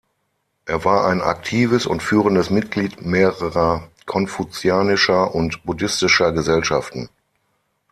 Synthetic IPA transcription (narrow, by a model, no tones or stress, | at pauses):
ʔeːɐvaːɐʔaɪna̰k̚tʰiːvəsʊ̰ntfyːʁ̞əndəsmɪt̚ɡ̥liːtmeːʁəʁɐkʰɔnfut͡sjaːnɪʃɐʔʊntb̥udɪstɪʃɐɡəzɛlʃaftn̩